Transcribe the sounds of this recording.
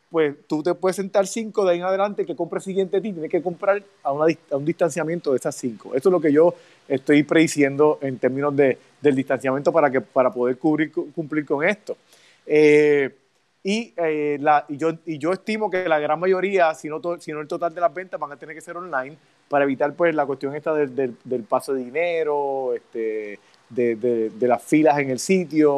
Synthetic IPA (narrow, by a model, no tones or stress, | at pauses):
pwe̞st̪ut̪e̞pweðesent̪aɾsiŋkoðeaieŋaðe̞lãnt̪ekeko̞mpɾesiɣje̞nt̪et̪it̪jeneske̞ko̞mpɾaɾ | aunaðiaund̪ist̪ansjamje̞nt̪oðesasiŋkoʔe̞soelo̞k̬e̞ʝo̞ | e̞st̪o̞jpɾeðisje̞nd̪o̞ʔe̞nt̪e̞ɾmĩno̞zðe | d̪e̞ld̪ist̪ansjamjẽnt̪o̞paɾakepaɾapo̞ðe̞ɾkuβɾiokumpliɾko̞ŋe̞st̪o | e | ielaiʝoiʝo̞est̪imo̞kelaɣɾaŋmaʝo̞ɾiasinot̪osinoelt̪o̞t̪ald̪elazbe̞nt̪azbaŋat̪eneɾke̞se̞ɾonlajn | paɾae̞βit̪aɾpwe̞slakwest̪jo̞ŋest̪aðed̪eld̪e̞lpasoðeðine̞ɾo̞est̪e | d̪ed̪ed̪e̞lasfilase̞ŋe̞lsit̪jo